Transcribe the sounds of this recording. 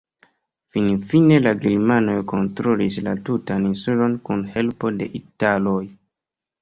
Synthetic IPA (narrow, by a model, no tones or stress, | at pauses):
finfine̞laɡeɾmano̞jko̞ntɾolislatutaninsulo̞nkunhe̞lpo̞de̞̰ʔitalo̞j